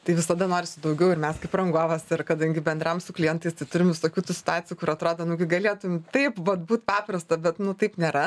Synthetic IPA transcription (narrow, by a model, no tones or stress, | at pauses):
t̪ɐɪʋʲɪsɐd̪ɐnoːɾʲɪsʲɪd̪ɐʊɡʲɛʊɪrmʲɛskɐɪprɐŋɡoːʋɐsɪrkɐd̪ɐŋʲɡʲɪbʲɛnd̪ɾɐmsʊklʲɪjɛnt̪ɐɪst̪ɐɪt̪ʊɾʲɪmʋʲɪsoːkʲuːt̪uːsʲɪ̥t̪ʊaːt͡sʲɪjukʊɾɐt̪ɾoːd̪ɐnʊkɐɪɡɐlʲeːt̪ʊɪmt̪ɐɪpʋɐt̪buːt̪pɑːprɐst̪ɐbʲɛt̪nʊt̪ɐɪpnʲeːɾɐ